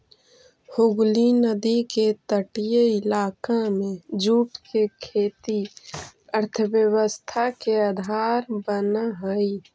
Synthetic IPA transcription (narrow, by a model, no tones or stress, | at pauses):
hʊɡlinəd̪iket̪əʈijeɪlaːkamẽd͡ʒuːpkekʰeːt̪i | əɾt̪ʰəbjəwəst̪ʰakead̪ʱaːɾbənaɦəi